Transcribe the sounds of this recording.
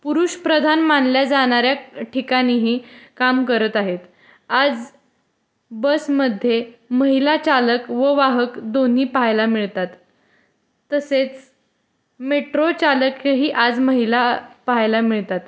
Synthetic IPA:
puɾuːɕpɾəd̪ʱanmanljad͡zaɽ̃aɾjaʈʰikañiːɦiːkamkəɾət̪aɦet̪ | ad͡z | bəsməd̪ʱjeməɦilat͡ɕaləkʋəʋaɦəkd̪on̤iːpajlamiɭt̪at̪ː | əset͡s | meʈɾot͡ɕaləkɦiːʔad͡zməɦilapajlamiɭt̪at̪

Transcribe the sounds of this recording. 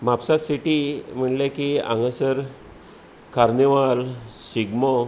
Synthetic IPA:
mapsasiʈim̤əɳlekiã̰ŋɡəsəɾ | kaɾneʋalsiɡmɔ

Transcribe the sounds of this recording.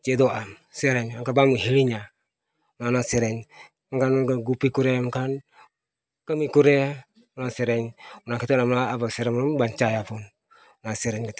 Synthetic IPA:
t͡ʃedoam | seɾeɲaŋkabamuɦiliɲa | ʊnanaseɾeɲ | aŋkanaɡaɡupikuɾemkan | kamikuɾe | ʊnaseɾeɲʊnakitenamaːbaseɾemumbant͡ʃajapun | naseɾeɲkat

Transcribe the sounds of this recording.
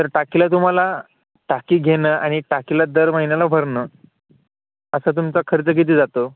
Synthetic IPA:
t̪əɾʈakilat̪um̤ala | ʈakiːɡʱenəːaɽ̃iʈakilad̪əɾməɦinelabʱəɾnəː | əsət̪̬umt͡sakʰəɾt͡sək̬et̪̬iːd͡zat̪o

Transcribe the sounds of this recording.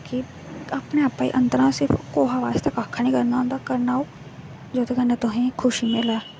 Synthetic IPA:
kɪ | aːpneːaːpaːḭːʔənd̪əɾãːsɪɾpʰkoːɦaːʋaːst̪aːkaːkʰːaːnĩːkəɾnaːõnd̪aːkəɾnaːoː | d͡ʒoːt̪ʰeːkənːẽt̪ʊɦĩːkʰʊʃiːmɪlaː

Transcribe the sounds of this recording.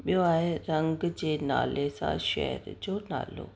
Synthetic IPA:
ɓijoaːɦeɾɐ̃ŋɡd͡ʑeːna̰ːlesã̰ʃɛ̰ɦə̰ɾd͡ʑoːna̰ːlo̰

